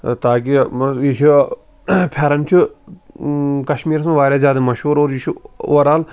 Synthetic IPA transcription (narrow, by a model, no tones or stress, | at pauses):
t̪aːkiit͡ʃʰu | pʰʲɐɾɐmt͡ʃʰi | kɐʃmiːɾsũʋaːɾʲaːzʲjaːd̪ɐmɐʃuːɾoːɾit͡ʃʰuoɾaːl